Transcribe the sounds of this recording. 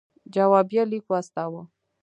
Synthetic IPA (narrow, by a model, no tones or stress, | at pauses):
d͡ʒawabjalikwast̪awə